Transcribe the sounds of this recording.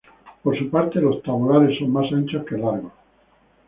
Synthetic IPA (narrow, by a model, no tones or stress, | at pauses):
poɾsupaɾt̪elo̞st̪aβolaɾesːo̞ŋmasant͡ʃohke̞laɾɣo